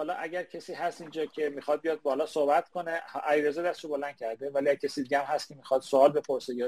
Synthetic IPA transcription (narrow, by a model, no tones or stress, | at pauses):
ɒːlɒːʔæɟæɾcʰesiːɦæst̪ind͡ʒɒːcʰemiːxɒd̪̚bijɒːd̪̚bɒːlɒːsohbæt̪kʰo̞nehæliːɾezɒːd̪æse̥ʃobo̞lænd̪̚cʰæɾd̪evæliæcʰesiːd̪iːɡʲɟææmhæst̪cʰe̞miːxɒd̪̥soɒːlbe̞pʰoɾseɡe